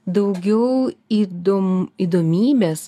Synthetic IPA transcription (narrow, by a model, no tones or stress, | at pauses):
d̪ɐʊɡʲɛʊid̪omiːd̪oːmʲiːbʲes